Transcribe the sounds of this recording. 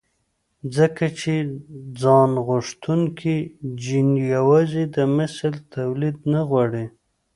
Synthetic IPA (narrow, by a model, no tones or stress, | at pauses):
d͡zəkat͡ʃed͡zɑnɣʊʂt̪uŋkʰid͡ʒinjawɑzid̪əmɪslt̪awlid̪naɣwɑɽi